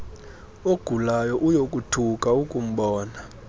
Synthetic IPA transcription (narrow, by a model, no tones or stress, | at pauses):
oɡ̥ʱulajɔʔujokʼutʰukʼaukʼum̩ɓɔːna